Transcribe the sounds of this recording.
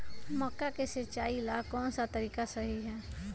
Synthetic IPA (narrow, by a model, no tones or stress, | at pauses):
mɔkːakesət͡ʃaːilaːkɔːnsat̪əɾiːkasəɦiɦɛː